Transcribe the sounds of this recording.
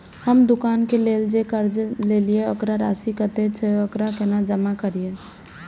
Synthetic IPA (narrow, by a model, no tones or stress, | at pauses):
həmd̪ʊkaːnkeleːld͡ʒekəɾd͡ʒleːlieəkɾaɾa̰ːsikət̪et͡ʃʰeəkɾakenad͡ʒəmakəɾie